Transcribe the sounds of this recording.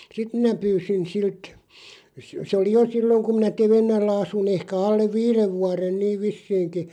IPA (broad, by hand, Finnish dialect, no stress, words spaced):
sit minæ pyːsin silt s sĕ oli jo silːoŋ kum minæ teʋenːælːæ ɑsun ehkæ ɑlːeʋ ʋiːreʋ ʋuɑren niːʋ ʋisːiːŋki